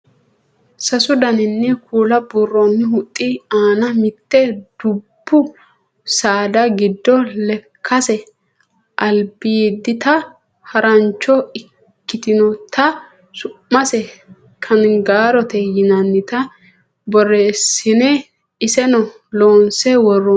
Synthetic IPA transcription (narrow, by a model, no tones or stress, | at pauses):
sɐsʊd̪ɐnɪnːɛkʰuːlɐburːɔnːɪhʊt̪ʼːɪaːnɐmɪt̪ːɛd̪̥ʊbːʊ | saːd̪ɐɡɪd̪ːɔlɛkʰːɐsɛ | ʔɐlbiːd̪ɪt̪ɐ | hɐɾɐnt͡ʃːɔɪ | kːɪt̪ɪnɔt̪ʰɐ | sʊmːɐsɛ | kʰɐnɡaːɾɔt̪ɛjɪnɐnːɪt̪ɐ | bɔreːsɪnɛ | ɪsɛnɔ | loːnsɛwɔrɔ